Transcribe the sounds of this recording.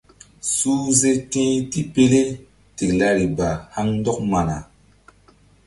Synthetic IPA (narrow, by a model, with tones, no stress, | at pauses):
suː˦ze˦tĩ˦ti˦pe˦le˦ | ti˨kla˧ɾi˨ba˨ha˦ŋndɔ˦k̚ma˨na˨